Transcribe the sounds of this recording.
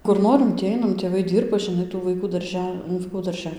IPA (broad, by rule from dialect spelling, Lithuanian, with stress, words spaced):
kʊr ˈnoːrʲɪm tʲiː ˈɐɪnɐm tʲeːˈʋɐɪ ˈdʲiːrbɐ ʒʲɪˈnɐɪ tuː ʋɐɪˈkuː dɐrʲˈʒʲɛ nʊ ʋɐɪˈkuː dɐrʲˈʒʲɛ